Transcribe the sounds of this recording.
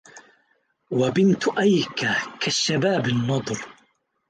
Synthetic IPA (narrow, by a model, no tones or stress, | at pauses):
wabɪnt̪ʔajkakʰaʃːabaːbɪnːɑd̪ˤɾ